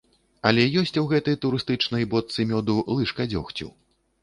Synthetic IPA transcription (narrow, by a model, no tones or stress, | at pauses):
ɐlʲɛjɔsʲt͡sʲwɣɛt̪ɐjt̪uɾɨst̪ɨt͡ʂnɐjbɔt̪sɨmʲɔd̪ulˠɨʂkɐd͡zʲɔxt͡sʲṵ